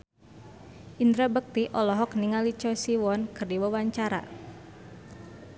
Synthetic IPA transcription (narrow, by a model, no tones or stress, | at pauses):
ʔind̪ɾabək̚t̪iʔɔlɔɦɔkniŋalit͡ʃɔjsiwɔnkɨrdiwəwaɲt͡ʃaɾa̰